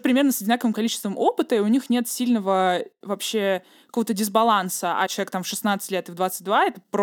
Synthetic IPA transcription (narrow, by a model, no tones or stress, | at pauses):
pɾʲɪmʲe̞rnəsədʲɪnakəvɨmkɐlʲit͡ɕɪ̥st̪vəmʔopɨt̪əiʊnʲixnʲe̞t̪sʲilʲnəvəvɐpɕːe | kɐ̥ko̞vət̪ədʲɪzbɐlˠansəa̰t͡ɕɪlˠɐek̚t̪amfʂɨsnat̪sɨ̥tʲlʲet̪ɨvd̪vat̪sɨt̚ʲd̪vaɛt̪əp